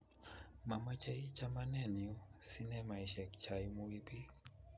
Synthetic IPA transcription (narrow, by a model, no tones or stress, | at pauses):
mamat͡ʃait͡ʃamanɛniusinɛmaiʃɛkt͡ʃaimuwipi